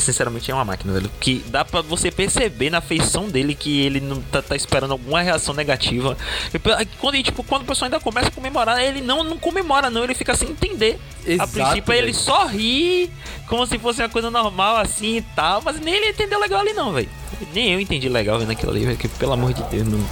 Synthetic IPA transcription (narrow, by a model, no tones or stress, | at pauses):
sĩsɛɾamẽnt͡ʃɪɛũmɐma̰kinɐvɛ̰lʊkɪd̪apɾɐvosepeɾsebenɐfejsɐ̃w̃d̪elɪkɪelɪnɐ̃w̃t̪at̪aispeɾɐ̃nd̪awɡũmɐheasɐ̃w̃nɛɡat͡ʃivɐepekwɐ̃nd̪ʊt͡ʃi̥pʊkwɐ̃nd̪ʊpesoaĩd̪ɐkõmɛsɐkõmemoɾaɾelɪnɐ̃w̃nɐ̃w̃kõmemɔɾɐnɐ̃w̃elɪfikɐasĩẽt̪ẽnd̪e | apɾĩsipelɪsɔɦi | kõmʊs̬ɪfos̬ɪũɐkojzɐnɔɾmawasĩit̪awmɐznẽj̃elɪẽt̪ẽnd̪ewlɛɡawalinɐ̃w̃vɛ̰l | nẽj̃ewẽnt̪ẽnd͡ʒilɛɡawvẽnakḭla̰lḭvɛkepelamoɾd͡ʒɪd̪ewznɐ̃w̃